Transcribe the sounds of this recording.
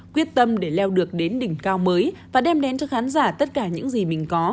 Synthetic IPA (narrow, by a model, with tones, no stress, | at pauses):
kwi˦˥ət̚t̪ə˧mɗe˧˩lɛ˧wɗɨ˨˩ək̚ɗe˨˦nɗï˧˩ŋ̟kaː˧wməː˨˦jvaː˨˩ɗɛ˧mɗɛ˨˦nt͡ɕɔ˧xaː˨˦nzaː˧˩t̪ə˦˥t̚kaː˧˩ɲɨ̰˧˥ŋzi˨˩mï˨˩ŋ̟kɔ˨˦